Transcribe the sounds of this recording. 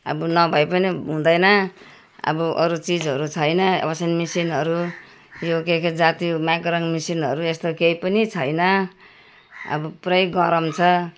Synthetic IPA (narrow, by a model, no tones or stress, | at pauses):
ʌ̰bʌnʌbʱʌjpʌniɦũd̪ʌjnʌ | ʌ̰buʔʌ̰ɾut͡sid͡zʌɾut͡sʰʌjnʌʌ̰bʌsenmisinɦʌɾu | jokekʰed͡zat̪imãkɾʌŋmisinɦʌɾuest̪okejpʌnit͡sʰʌjnʌ | ʌ̰bʌpuɾʌjɡʌɾʌmt͡sʰʌ